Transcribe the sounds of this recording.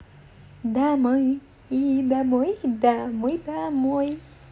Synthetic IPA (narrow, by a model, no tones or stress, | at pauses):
d̪amə | id̪amojd̪amojd̪amoj